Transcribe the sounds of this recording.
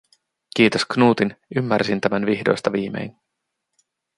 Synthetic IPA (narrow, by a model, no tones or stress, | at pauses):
k̟iːt̪osknuːt̪inymːærsint̪æmænʋiçdo̞̰jst̪ɑʋiːme̞̰jn